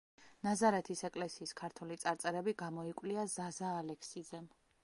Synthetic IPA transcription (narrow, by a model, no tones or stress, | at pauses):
nazaɾɛt̪ʰisɛkʼlɛsiːskʰaɾt̪ʰwɛlit̪sʼaɾt̪sʼɛɾɛbiɡamɔikʼwliazazaːlɛkʰsid̪zɛm